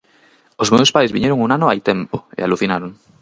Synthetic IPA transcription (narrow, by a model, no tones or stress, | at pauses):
ozmewspajzβiɲeɾoŋunanoajt̪empoḛaluθinaɾoŋ